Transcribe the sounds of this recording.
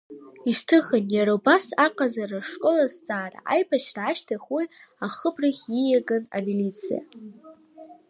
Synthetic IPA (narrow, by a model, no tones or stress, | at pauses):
iʂtʰɨχanjaɾabasaqʼazaraʂkʼo̞lasd͡zʼaːra̰ʔajbaʃraːʃtʰaχʲwijaχəbrɨχʲijaɡɨna̰milit͡sʰḭja̰